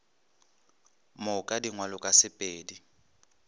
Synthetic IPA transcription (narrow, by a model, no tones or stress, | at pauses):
mʊkʼadiŋwalʊkʼasɪpʼeːdi